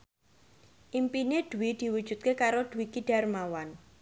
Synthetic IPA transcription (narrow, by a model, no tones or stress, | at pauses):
ʔimpined̪̥uwid̪̥i̤wud̥ʒ̥ṳt̪̚kekaɾod̪̥ṳwikiɖ̥a̤rmawan